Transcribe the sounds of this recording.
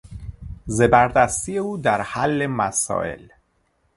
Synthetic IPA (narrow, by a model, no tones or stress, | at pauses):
zebæɾd̪æst̪iːjeuːd̪æɾhælːemæsɒ̰ːʔe̞̰l